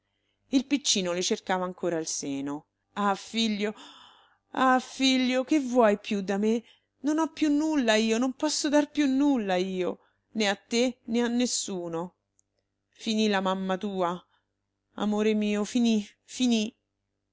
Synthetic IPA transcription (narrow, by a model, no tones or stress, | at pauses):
ilpit͡ʃːiːnolet͡ʃerkaːvaːŋkoːɾailseːno | afiʎːo | afiʎːokevːwɔjpjud̪ːame | nonɔpːjunːulːaiːonompɔsːod̪arpjunːulːaiːo | neat̪ːeneanːesːuːno | finilamamːat̪uːa | a̰moːɾemiːofinifini